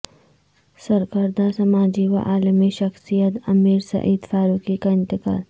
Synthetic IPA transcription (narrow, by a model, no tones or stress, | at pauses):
sɐɾkəɾd̪asɐmaːd͡ʒiʋɐ̰ʔaːləmiʃɐxsijət̪ɐmiːɾsɐ̰ʔiːd̪faːɾuːkikaɪ̃nt̪ɪka̰ːl